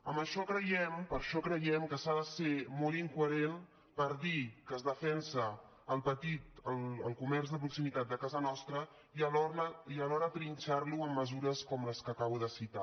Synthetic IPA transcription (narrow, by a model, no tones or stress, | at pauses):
əmbəʃɔkɾəjɛmpəɾʃɔkɾəjɛmkəsaðəsemɔlˠiŋkuəɾen | pəɾðikəzðəfɛnsəː | lˠpət̪it̪əlˠə̰lˠkumɛrzðəpɾuksimit̪at̪̚d̪əkazənɔst̪ɾə | iəlɔɾəiəlɔɾət̪ɾinʲt͡ʃarluəmːəzuɾəskɔmləskəkaβuðəsit̪a